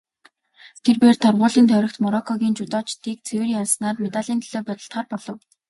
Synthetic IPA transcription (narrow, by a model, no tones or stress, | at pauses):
t̪ʰerpeːrt̪ʰɔrʁʊːɮiːnt̪ʰœwʲɾə̆k̚t̪mɔɾɔkʰɔɣʲiːnt͡ɕʊt̪ɔːt͡ɕt̪iːk̚t͡sʰewɘ̆rjarsnaːrmet̪aɮiːnt̪ʰiɮoːpat̪ə̆ɬt̪χaːrpɔɮɞ̆w